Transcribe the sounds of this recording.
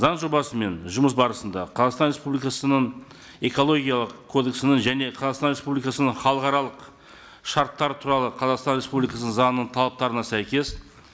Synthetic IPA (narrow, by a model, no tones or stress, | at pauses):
zɑɴʒo̞bɑsəme̞nʒʊməs̬bɑɾəsənd̪ɑqʰɑzɑʁst̪ɑnɾʲe̞spublikɑsənəɴ | e̞ko̞lˠo̞ɡʲijɑlˠəqʰːo̞d̪e̞ksənəɴʒæne̞qʰɑzɑʁqst̪ɑnɾe̞spublijkɑsənəɴχɑlˠəqɑɾɑlˠəq | ʃɑɾt̪ːɑɾt̪ʰuɾɑlˠəqʰɑzɑqst̪ɑnɾe̞spublijkɑsnəɴzɑnənəɴt̪ʰɑlˠɑp̚t̪ɑɾənɑsæjkʲe̞s